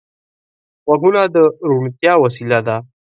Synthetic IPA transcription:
waɦunad̪əɾuɳt̪jɑwas̬ilad̪a

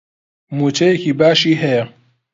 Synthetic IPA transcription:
mut͡ʃejekʰibaːʃiɦe

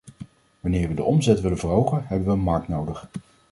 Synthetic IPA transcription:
ʋɑnɪːɹʋədəʔɔmzɛtʋɪlənvəːrɦowχənɦɛbənʋəənmɑɹk̚tnowdəχ

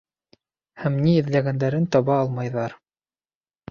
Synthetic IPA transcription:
hæmniɘ̆ðlæɡænd̪æɾɘnt̪ɑβɑːlˠmɑjðɑɾ

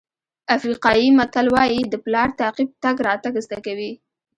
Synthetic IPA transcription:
afɾiqɑjimat̪alwɑjid̪əplɑɾt̪aqib̚t̪aɡɾɑt̪aɡəzd̪akawi

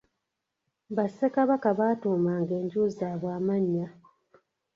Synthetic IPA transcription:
βasːekaβakaβaːtuːmaːŋɡe̞ːɲɟuːzaːβwaːmaɲːa

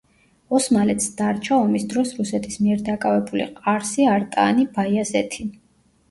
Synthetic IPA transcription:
ɔsmalɛt̪sd̪̥aɾt͡ʃʰaɔmisd̪ɾɔsɾusɛt̪ʰismiɛɾd̪akʼavɛbulḭqʼaɾsiaɾt̪ʼa̰nibaiazɛt̪ʰi

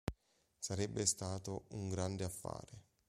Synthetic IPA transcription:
saɾɛbːest̪aːt̪ouŋɡɾand̪eafːa̰ːɾe

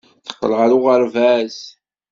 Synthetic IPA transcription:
θə̥qːləʁaɾʊʁəɾvæs

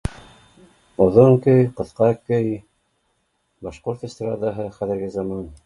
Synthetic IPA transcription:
ŏðoŋkɵjqɤ̆θqɑkɵj | bɑʃqoɾt̪ə̆sʲt̪ʲɾɑd̪ɑɦɤχæðɘ̆ɾɡɘzɑmɑn

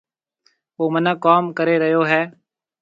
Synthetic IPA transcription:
ʋoːmənãːkaːmkəɾeːɾəɦjoːɦɛː

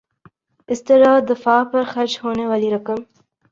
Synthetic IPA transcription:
ɪst̪əɾɑːd̪əfɑːpəɾxaɾt͡ʃhonewaliɾəkəm

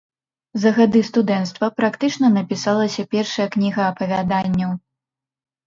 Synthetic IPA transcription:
zɐɣad̪ɨst̪ud̪ɛnt̪st̪vɐpɾakt̪ɨt͡ʂnɐnɐpʲisalˠɐsʲɐpʲɛrʂɐjɐknʲiɣɐːpɐvʲad̪anʲːɐw

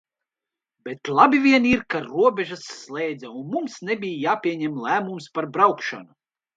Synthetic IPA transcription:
b̥et̪lˠabʲivʲiɛniɾkaɾuɔbʲɛʒasːlˠɛːd̪zɛunmumsnɛbʲijjaːpʲiɛɲɛmlˠæːmumspaɾbɾawkʃa̰nu

